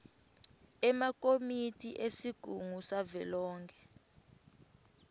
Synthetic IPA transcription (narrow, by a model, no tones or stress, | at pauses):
ɛmakomitʰʼiʔesiɡ̥ʱuŋusavɛlɔːŋkʰɛ